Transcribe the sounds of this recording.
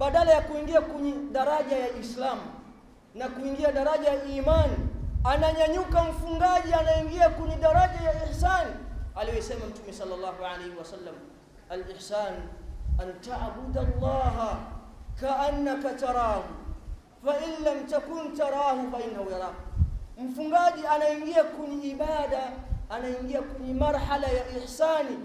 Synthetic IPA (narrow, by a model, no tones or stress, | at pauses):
ɓaɗalajakuiŋɡiakuɲiɗaɾaʄajaʔislaːm | nakuiŋɡiaɗaɾaʄajaʔiːmanianaɲaɲukam̩fuŋɡaʄianaiŋɡiakuɲiɗaɾaʄajaɪħsaːnʔaliwɛsɛmam̩tumɛsɑlːɑlˤːɑːɦuʕalajhiwasalːam | alʔɪħsaːnʔantaʕbudalˤːɑːɦakaʔanːakatɑɾɑːhu | faʔinlamtakuntaɾˤɑːhufaʔinːahujaɾˤɑːm̩fuŋɡaʄianaiŋɡiakuɲiiɓaːɗaː | naiŋɡiakuɲimaɾħalajaʔiħsaːni